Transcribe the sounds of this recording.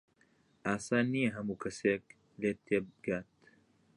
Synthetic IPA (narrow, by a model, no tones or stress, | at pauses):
aːsaːnːieɦɐmukʰɐseːk | leːt̪ːeːbɡaːt̪